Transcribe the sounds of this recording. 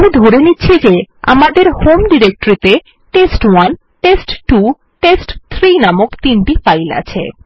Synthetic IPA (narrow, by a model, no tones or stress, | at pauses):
mid̪ʱoɾeniːɕʰid͡ʑea̰mad̪eɾhomɖiɾek̚ʈoɾit̪e | ʈesʈwan | ʈesʈʈu | ʈesʈt̪ʰɾinamokt̪inʈifajla̰t͡ɕʰḛ